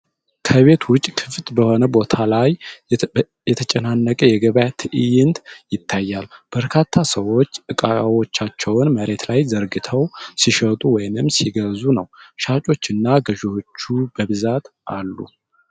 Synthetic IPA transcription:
kʰəβe̞t̪wʊt͡ʃʼːkʰɨft̪bəho̞nəbo̞t̪ʰalaj | jɛt̪ʰət͡ʃʼənanːəkʼəjɛɡəβjat̪ʰɨʔɨjɪnd̪jɪt̪ʰːajːalb̥əɾkʰat̪ʰːasəwo̞t͡ʃːɨkʼaawo̞t͡ʃːat͡ʃːɛwnməɾe̞t̪lajzəɾɡɨt̪ʰəwsiʃət̪ʼuwɔjnɨmsiɡəzunəwʃat͡ʃʼo̞t͡ʃːɨnːaɡəʒot͡ʃːubəβɨzat̪ʔalːṵ

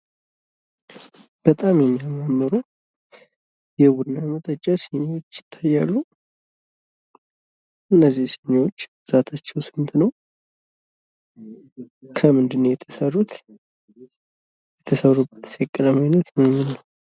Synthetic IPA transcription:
b̥ət̪ʼamjɛmːiaməmːəɾu | jɛwʊnːamət̪ʼət͡ʃʼːaseɲawot͡ʃːjɪ̥t̪ʰːajːalːu | ʔɨnːəzːihseɲwot͡ʃː | z̥at̪ʰat͡ʃːɛwsɨnt̪nəw | kʰəmɨnd̪ɨnːəjɛt̪ʰəsərːut̪ | jɛt̪ʰəsərːubːət̪sɛkʼːələmajnət̪nənɨnəw

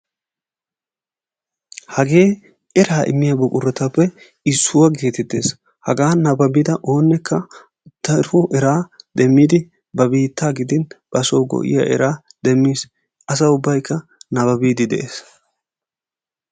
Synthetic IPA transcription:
hɐɡe̞ː | ɛɾaːʔɪ̰mːɪjɐbɔkʼʊɾːɐt̪ɐpːɛ | ɪsːʊwɐɡe̞ːt̪ɛt̪ːe̞ːs | hɐɡaːnɐbɐbɪd̪ɐʔo̞ːnːɛkʰːɐ | t̪ːɐɪɾfʊʔɛɾaːd̪ɛmːiːd̪ɪ | bɐbiːt̪ːaːɡɪd̪ɪnb̥ɐsoːɡɔ̰ʔɪ̰ja̰ʔɛ̰ɾaːd̪̥ɛmːiːs | ɐs̬ɐʊbːɐjkʰːɐnɐbɐbiːd̪ɪd̪ɛ̰ʔeːs

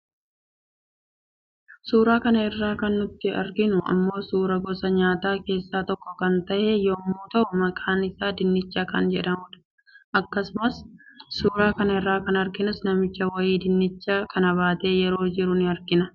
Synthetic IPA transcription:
suːɾaːkɐnɐɪrːaːkɐnːʊt̪ːɪɐ̰ɾɡɪnʊʔɐ̰mːo̞ːsuːɾɐɡɔsɐɲaːt̪aːke̞ːsːaːt̪ɔkːɔkɐnt̪ɐʔejoːmuːt̪ɐʔʊmɐkʼaːnɪsaːd̪ɪnːɪt͡ʃːaːkɐ̰nd͡ʒɛᶑɐmʊᶑ̪ɐ̥ | ʔɐkːɐsʊmɐssuːɾaːkɐnɐɪrːaːkɐnɐɾɡɪnʊsnɐmɪt͡ʃːɐwɐjiːd̪ɪnːɪt͡ʃːaːkʰɐnɐβaːt̪e̞ːjɛɾo̞ːd͡ʒɪɾʊnɪɐɾɡɪnɐ

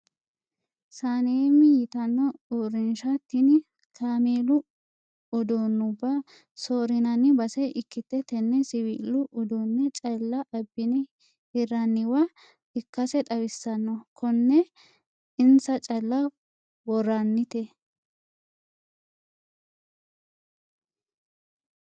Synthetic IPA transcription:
saːnemːɪjɪt̪ɐnːɔuːɾɪnʃɐt̪ːɪnɪ | kʰaːmeːlʊ | ɔd̪oːnːʊbːa | soːɾɪnɐnːɪbɐsɛʔɪkːɪt̪ːɛt̪ɛnːɛsɪwḭːlːʊʔɔd̪onːɛt͡ʃʼɐlːɐʔɐbːɪnɪ | hɪrːɐnːɪwɐ | ɪkːɐsɛt̪ʼɐwɪsːɐnːɔkʰɔnːɛ | ɪnsɐt͡ʃʼɐlːɐ | wɔrːɐnːɪt̪ɛ

